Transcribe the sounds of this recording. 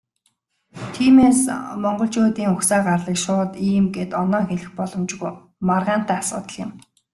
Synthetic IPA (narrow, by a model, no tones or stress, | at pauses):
t̪ʰiːmeːsmɔɴɢɞ̆ɬt͡ɕʊːt̪iːŋʊxsaːɢarɮiːkʃʊːt̪iːmɡet̪ɔnɔːŋxeɮɘ̆xpɔɮɞ̆mt͡ɕɡuj | marʁaːn̥t̪æːasʊ̰ːt̪ə̆ɮjɪ̆m